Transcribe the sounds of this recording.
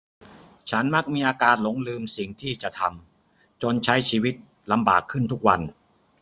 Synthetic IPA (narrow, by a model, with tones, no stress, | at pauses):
t͡ɕʰa˦˥nma˦˥k̚miː˧ʔaː˧kaː˧nlo˨˩˥ŋlɯː˧msi˨˩ŋt̪ʰiː˥˩t͡ɕa˨˩t̪ʰa˧m | t͡ɕo˧nt͡ɕʰa˦˥jt͡ɕʰiː˧wi˦˥t̪̚ | la˧mba̰ː˨˩kʰːɯ˥˩nt̪ʰu˦˥k̚wa˧n